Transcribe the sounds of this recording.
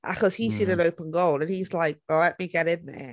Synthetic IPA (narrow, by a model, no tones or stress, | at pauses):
ʔə̰kʰʌz̥hisĩɾɨ̃noʊpə̃nɡoʊlˠdə̃nizlaɪk̚wɛlɛʔ̚miɡɛɾɪ̃nðə̰